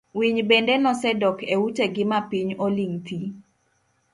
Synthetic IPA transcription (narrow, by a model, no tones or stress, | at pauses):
wiɲbendenɔsɛdɔkewuteɡɪmapiɲoliŋt̪i